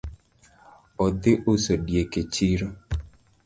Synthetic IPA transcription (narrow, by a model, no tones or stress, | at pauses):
ɔd̪ɪʔosoɖieket͡ʃɪɾɔ